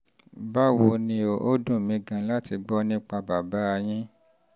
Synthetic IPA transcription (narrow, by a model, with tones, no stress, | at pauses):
ba˦wo˧nĩ˧o˨ʔo˦dũ˦˨mĩ˨˧ɡã˧la˦ti˧ɡ͡bɔ˦nĩ˦k͡pa˧ba˨ba˨˦a˧j̃ĩ˦